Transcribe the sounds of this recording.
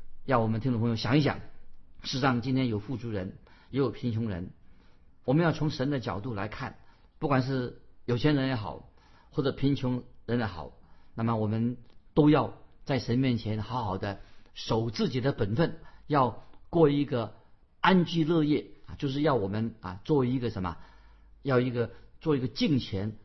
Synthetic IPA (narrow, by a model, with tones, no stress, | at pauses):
jɑ˥˩wɔ˨˩mə˦nt̪ʰpʰjo˧ʊɕjɑ˨˩˦ŋi˥˩ɕjɑ̰˨˩˦ŋʂɻ̩˥˩ʂɑ˥˧ŋt͡ɕi˥nt̪ʰjɛ˥njo˨˩ʊfu˥˩ʈ͡ʂʰu˧˥ɻə˧˥njɛ˧˥jo˨˩ʊpʰi˧˥ŋt͡ɕʰʊ˧˥ŋɻə̰˧˥n | wɔ˨˩mə˦njɑ˥˩ʊt͡sʰʊ˧˥ŋʂə˧˥nd̪ə˧t͡ɕjɑ̰˨˩ʊt̪u˥˩la̰˧˥ɪkʰa˥˩n | pu˥˩kwa˨˩nʂ̬ɻ̩˥˩jo˨˩ʊt͡ɕʰjɛ˧˥nɻə˧˥njɛ˧˥xɑ̰˨˩˦ʊ | xwɔ˥˩ʈ͡ʂɤ˨˩pʰi˧˥ŋt͡ɕʰʊ˧˥ŋɻə˧˥n˧˥xɑ̰˨˩˦ʊna˥˩mə˨˩wɔ˨˩mə˦nt̪o˥ʊjɑ˥˧ʊt͡sa˥˩ɪʂə˧˥nmjɛ˥˩nt͡ɕʰjɛ˧˥nxɑ˧˥ʊxɑ˨˩ʊd̪ə˦ʂo˨˩ʊt͡sɹ̩˥˩t͡ɕi˨˩d̪ə˦pə˨˩nfə˥˩njɑ˥˧ʊkwɔ˥˧i˧˥ɡə˧ | a˥nt͡ɕy˥˧lɤ˥˧jɛ˥˩t͡ɕjo˥˧ʊʂ̬ɻ̩˥˧jɑ˥˩ʊwɔ˨˩mə˧˦na̰˨˩t͡swɔ˥˩i˧˥ɡə˨ʂə˧˥nmə̰˨ | jɑ˥˩ʊi˧˥ɡə˧t͡swɔ˥˩i˧˥ɡə˧t͡ɕi˥˩˧ŋt͡ɕʰjɛ˧˥n